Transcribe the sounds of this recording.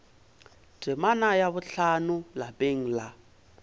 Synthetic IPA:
dɛmanajaβʊɬanʊlabeŋ̩la

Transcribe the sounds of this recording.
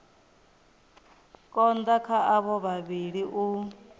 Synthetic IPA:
kʼɔnd̪akʰaʔaβɔβaβiɺiʔu

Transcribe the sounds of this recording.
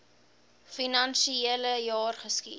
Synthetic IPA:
finɐnʃieləjɑːrχəski

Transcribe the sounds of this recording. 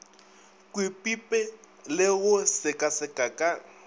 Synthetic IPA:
kʼwɪpʼipʼɛ | lɪɣʊsɪkʼasɪkʼakʼa

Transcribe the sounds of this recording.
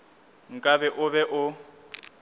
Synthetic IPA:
ŋ̩kʼaβɛʔʊβɛʔʊ

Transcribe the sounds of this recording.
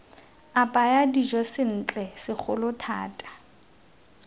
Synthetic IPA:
apʼajadid͡ʒɔsɪn̩ːt͡ɬʼɛsɪk͡xʰʊlʊtʰa̰ːtʼḁ

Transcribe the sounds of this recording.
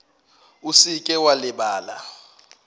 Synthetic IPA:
usikʼɛwalɪɓaːla̰

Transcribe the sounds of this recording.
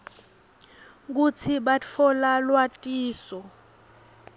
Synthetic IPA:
k̬ut͡sʰiɓat͡fʰɔlalwatʼiːsɔ

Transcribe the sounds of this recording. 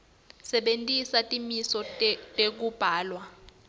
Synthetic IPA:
sɛɓentʼisatʼimisɔtʼek̬ub̥ʱaːlwa

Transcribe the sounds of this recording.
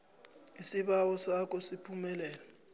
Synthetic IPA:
isiɓawɔsak̬ʼɔsipʰumɛlɛːlɛ

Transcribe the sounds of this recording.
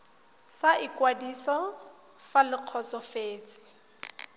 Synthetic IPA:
saʔikwadisɔ | falɪq͡χʰɔt͡sɔfeːt͡sʼɪ̥

